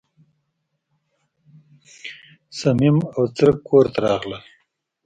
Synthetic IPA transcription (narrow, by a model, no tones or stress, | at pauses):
samimawt͡səɾkːoːɾt̪aɾɑːɣlal